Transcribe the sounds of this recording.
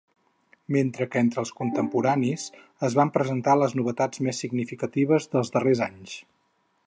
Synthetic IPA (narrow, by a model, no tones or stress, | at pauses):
ment̪ɾəkent̪ɾəːlˠskunt̪əmpuɾanis | əzβampɾəzənt̪aləznuβ̞ət̪ad͡zmesːiɡnifikət̪iβ̞əzðəlˠzðərezaɲs